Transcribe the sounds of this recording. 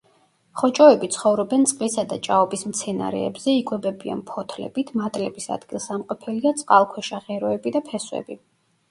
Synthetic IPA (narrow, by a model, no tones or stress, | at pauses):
χɔt͡ʃʼɔɛbit̪sʰχɔvɾɔbɛnt̪sʼqʼlisad̪at͡ʃʼaɔbismt̪sʰɛna̰ɾɛ̰ːbz̥ɛikʼwɛbɛbia̰npʰɔt̪ʰlɛ̰b̥it̪ʰmat̪ʼlɛbisa̰d̪ɡilˠsamqʼɔpʰɛliat̪sʼqʼalˠkʰwɛʃaʁɛɾɔɛbid̪apʰɛswɛ̰bi